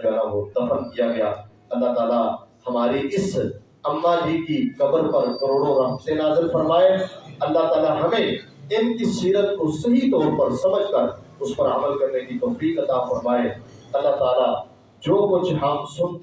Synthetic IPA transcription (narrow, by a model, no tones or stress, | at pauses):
ɛnaʋod̪ɐfənkijaɡɐjaː | ɐlːaɦt̪aːlahɐmaːɾiʔɪs | ɐmːaːlikikɐbəɾpɐɾkɐɾoːɽoɾɐft̪enaːzɪlfɐɾmaːeɐlːaɦt̪aːlaɦɐmẽ | ɪnkisiːɾət̪kosɐɦit̪ɔːɾpɐɾsɐməd͡ʒkɐɾ | ʊspɐɾɐməlkɐɾnekit̪ɔːfiːqɐt̪aːfɐɾmaːe | ɐlːaɦt̪aːla | d͡ʒoːkʊt͡ʃʰɦɐmsʊnt̪